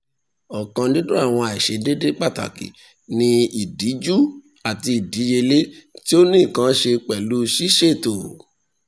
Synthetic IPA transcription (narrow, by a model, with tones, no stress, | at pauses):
ɔ˨kã˧dĩ˦do˦a˦˨w̃ɔ̃˧a˨i˨ʃe˨˦de˦de˦k͡pa˦˨ta̰˨kḭ˨ | nĩ˧i˨di˨˦d͡ʒu˦ | a˨ti˧i˨di˨˦je˧le˦ti˦o˦nĩ˦˨kã˦ʃe˧k͡pɛ˨lu˨˦ʃi˦ʃe˦˨to˨